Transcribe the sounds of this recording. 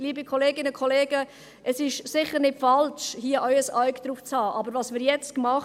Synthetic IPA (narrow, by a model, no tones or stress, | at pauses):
liːbikʰɔleːɡɪnəkʰɔleːɡə | ʔɛsɪʃsɪχəɾnɪtfɑlʃhiːəʔœʏəsaɥkd̥ɾuːft͡shɑːʔɑbəɾʋɑsmɪːɾjɛt͡stkmɑχ